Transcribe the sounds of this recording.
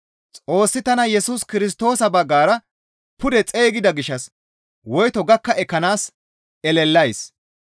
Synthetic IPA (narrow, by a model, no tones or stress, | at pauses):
t͡sʼo̞ːsːɪt̪ɐnɐjɛsuskɪɾɪs̬t̪o̞ːsɐbɐɡːaːɾɐ | pʊd̪ɛt͡sʼe̞ːɡɪd̪ɐɡɪʃːɐs | wɔjt̪ɔɡɐkːɐɛkːɐnaːs | ɛlɛlːɐjs